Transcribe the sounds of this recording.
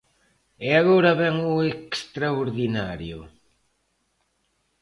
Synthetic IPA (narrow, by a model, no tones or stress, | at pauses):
eaɣoɾɐβɛŋuekst̪ɾaoɾðinaɾjʊ